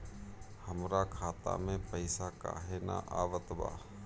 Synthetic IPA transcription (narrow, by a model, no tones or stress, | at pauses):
həmɾakʰaːt̪a̰mẽpəɪsaka̰ɦena̰ʔaːʋət̪ba̰ː